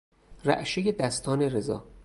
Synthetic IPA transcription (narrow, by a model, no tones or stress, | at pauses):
ræ̰ʔʃejed̪æst̪ʰɒːneɾezɒ̰ː